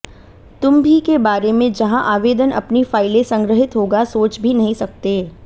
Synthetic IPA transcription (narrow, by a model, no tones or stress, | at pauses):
t̪ʊmbʱikebaːɾemẽd͡ʒɐɦãʔaːʋeːd̪ənʔɐ̰pnifaːɪlẽsɐ̃ŋɡɾəɦɪt̪ɦoːɡasoːt͡ʃbʱinɐɦĩsɐk̚t̪eː